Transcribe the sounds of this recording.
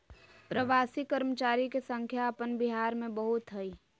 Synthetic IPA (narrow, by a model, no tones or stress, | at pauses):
pɾəʋaːsikəɾmət͡ʃaːɾikesə̃ŋkʰjaːpənbɪɦaːɾmẽbɐɦʊt̪ɦɐiː